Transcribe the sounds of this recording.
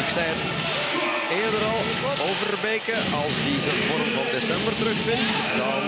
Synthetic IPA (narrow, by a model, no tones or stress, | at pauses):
əksɛn | eːrdəɾɑlˠ | owvərbeːkə | ɑlˠzdizənvɔrmvɔdesɛmbərtrɵxfɪnt | dɑn